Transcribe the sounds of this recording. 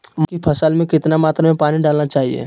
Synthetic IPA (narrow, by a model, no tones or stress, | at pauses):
mkipʰɐsəlmẽkɪt̪namaːt̪ɾamẽpaːniɖaːlnat͡ʃaːɦḭḛː